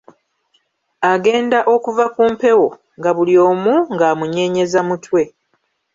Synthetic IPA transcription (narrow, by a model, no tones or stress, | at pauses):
aɡe̞ːndaʔo̞kuvakuːmpe̞wo̞ | ŋɡaβuljo̞ːmuŋɡaːmuɲe̞ːɲe̞zamutwe̞